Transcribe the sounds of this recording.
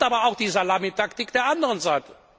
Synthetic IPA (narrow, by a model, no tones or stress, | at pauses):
ʔaːbɐaʊxd̥iːzalamitaktɪkd̥eːɐʔandəʁənzaɪtə̥